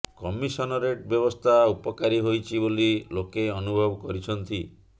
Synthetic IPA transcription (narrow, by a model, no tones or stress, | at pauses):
kɔmisɔnɔɾeʈbjɔbɔst̪ʰaupɔkaɾiɦojt͡ʃʰibolilokeɔnubʱɔbɔkɔɾit͡ʃʰɔnt̪i